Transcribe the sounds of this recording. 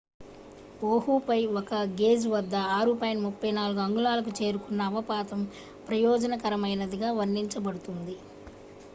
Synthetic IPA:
poːɦupɐjɔkɐɡe̞ːd͡ʒʋɐd̪ːɐaːɾupɐːjɐnmupːɐjnaːluɡuɐŋɡulaːlɐk̬ut͡ʃe̞ːɾukunːɐːʋɐpaːt̪ɐm | pɾɐjɔːd͡ʒɐnɐkɐɾɐmɐjnɐd̪iɡaːʋɐɾnːiɲt͡ʃɐbɐɽut̪und̪i

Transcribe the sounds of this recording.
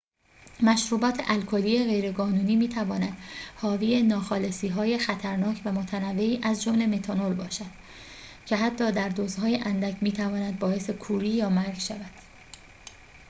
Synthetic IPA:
mæʃɾuːbɒːt̪ʰe̞ʔælkʰoliːeɣe̞jɾe̞ɡɒːnuːniːmiːt̪ʰævɒːnæd̪̥hɒːviːenɒːxɒːlesiːɦɒːjexæt̪ʰæɾnɒːcʰvæmot̪ʰænævːe̞iːʔæzd͡ʒomle̞me̞t̪ʰɒnolbɒːʃæd̪̥ | cʰe̞ɦæt̪ʰːɒːd̪æɾd̪oːzhɒːjeʔænd̪æcʰmiːt̪ʰævɒːnæd̪̚bɒːe̞se̞kʰuːɾiːjɒːmæɾɡʃævæd̪̥

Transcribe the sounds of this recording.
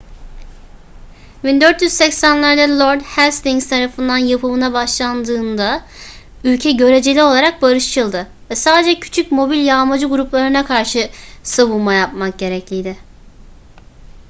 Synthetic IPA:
bind̪øɾt̪jyz̥sɛcsænlʲˠaɾd̪alˠoɾd̪hæst̪iŋz̥t̪ʰaɾafɯnd̪anjapʰɯmɯnabaʃlˠand̪ɯːnd̪a | ylʲcʰɛɟø̞ɾe̞d͡ʒelʲio̞lˠaɾak̚baɾɯʃt͡ʃʰɯlˠd̪ɯ | vɛsaːd̪ed͡ʒɛcʰy̥t͡ʃʰycmo̞bilʲjaːmad͡ʒɯɡuɾuplˠaɾɯnakʰaɾʃɯsaβulˠmajap̚mak̚ɟe̞ɾɛclʲijd̪ɪ

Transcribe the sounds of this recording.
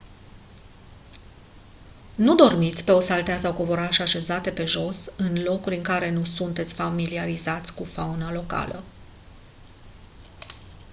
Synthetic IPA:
nud̪o̞rmit̪sʲpe̞o̞salt̪easawkovo̞ɾaʃeaʃe̞zat̪e̞pe̞ʒo̞sɨnlo̞kuɾʲɨŋkaɾe̞nusunt̪e̞t̪sʲfamiliaɾizat̪sʲkufaunalo̞ka̰lə̰

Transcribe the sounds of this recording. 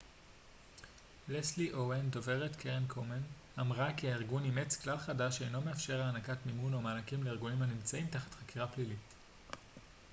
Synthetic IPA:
lesliʔowendo̞ve̞ʁetkʰeʁenkʰomen | amʁakiaiʁɡunimet͡sklalχadaʃejno̞me̞afʃe̞ʁaanakatmimunomaːnakimleiʁɡunimanimt͡saimtaχḁtχakiʁaplilit

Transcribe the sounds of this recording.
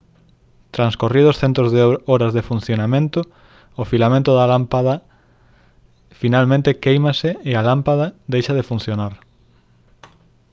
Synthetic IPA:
t̪ɾanskorið̞osθent̪ɾozðoɾazðefun̟θjonamẽnt̪o | ofilamẽnt̪oðalampaðɐ | finalmẽnt̪ekejmasɪealampað̞ɐd̪ejʃaðefun̟θjonaɾ

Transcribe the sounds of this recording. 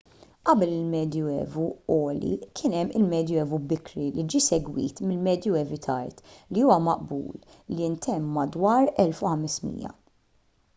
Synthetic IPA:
ʔɐbɛlɪlmɛːd̪juɛ̰ːvuɔːlḭkʰɪːnɛmːɪlmɛːd̪juɛːvubɪkɾilid͡ʒiːsɛɡwḭːt̪mɪlmɛːd̪juɛːvɪt̪ʰɐ̰ɾt̪liuːwɐmɐʔbṵːl | liɪnt̪ɛmːɐd̪wɐːɾɛlfʊħɐmɪsmḭːjɐ̰

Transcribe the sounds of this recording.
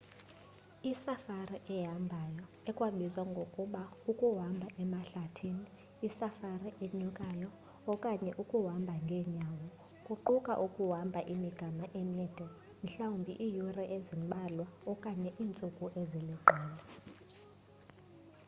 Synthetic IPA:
isafariʔɛɦambʱajɔ | ɛkʼwaɓizwaŋɡʱokʼuɓaukʼuɦambʱaʔɛmaɬatʰiniː | safariʔeɲukʼajɔ | ɔkʼaɲɛʔukʼuɦambʱaŋɡʱɛːɲawɔ | kʼuǃukʼa̰ʔukʼuɦambʱaʔimiɡ̥ʱamaʔɛnɛd̥ʱɛ | m̩ɬawumbʱḭʔijurɛʔezimɓʱalwaɔkʼaɲɛʔiːnt͡sʼukʼuʔeziliǃʱɛːla

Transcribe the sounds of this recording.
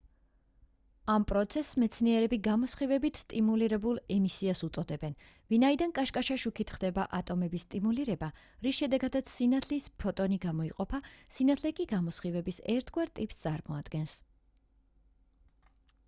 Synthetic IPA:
ampʼɾɔt̪sʰɛsːmɛt̪sʰniɛɾɛbiɡamɔsχivɛbit̪ʰst̪ʼimuliɾɛbulˠɛmisiasut̪sʼɔd̪ɛbɛn | vinaid̪ankʼaʃkʼaʃaʃukʰit̪ʰχd̪ɛbaʔat̪ʼɔmɛbist̪ʼimuliɾɛba | ɾisʃɛd̪ɛɡad̪at̪sʰsinat̪ʰlispʰɔt̪ʼɔniɡamɔiqʼɔpʰasinat̪ʰlɛkʼiɡamɔsχivɛbisɛ̰ɾt̪ʰɡwaɾt̪ʼipst̪sʼaɾmɔad̪̥ɡɛns

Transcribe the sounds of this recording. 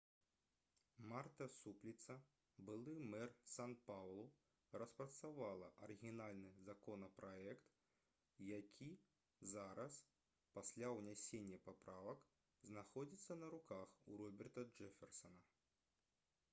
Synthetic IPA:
mart̪ɐsuplʲit̪sɐ | bɨlˠɨmɛrsanpawlˠu | rɐspɾɐt̪savalˠɐʔɐɾɨɣʲinalʲnɨzakɔnɐpɾaɛkt̪ | jakʲʰi | zaɾɐs | pasʲlʲawnʲɛsʲenʲːɐpapɾavɐk | znaxɔd͡zʲit̪sːɐnɐɾukaxuɾɔbʲɛrt̪ɐd͡ʐɛfʲɛrsɐnɐ

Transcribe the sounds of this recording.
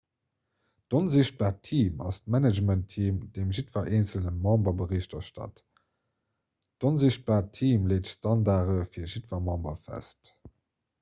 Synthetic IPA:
d̥onziɕt̚b̥aːtʰiːmɑ̰stmænəd͡ʒməntʰːiːmdemʒitvɐʔeːnt͡səlnəmɑ̃mbɐbəʁiɕtɐʃtɑ̰t | d̥onziɕt̚b̥aːʁtʰiːmleːtstɑndaːʁəfiːɐʒitvɐmɑ̃mbɐfæ̰st

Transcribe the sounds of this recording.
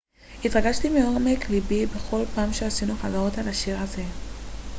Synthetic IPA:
itʁaɡaʃtimeo̞meklibibe̞χo̞lpaːmʃeasinuχazaʁo̞talaʃiʁaze̞

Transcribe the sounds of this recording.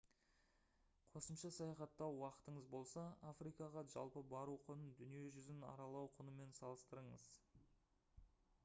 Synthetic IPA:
qʰo̞səmʃɑsɑjɑχɑt̪ːɑwwɑqə̥t̪əɴəzbo̞lˠsɑafɾijkɑʁɑʒɑ̰lˠpəbɑɾuqʰʊnənd̪ʏnije̞ʒʏzɪnɑ̰ɾɑlˠɑwqʰʊnəme̞nsɑlˠəst̪əɾəɴəz̥

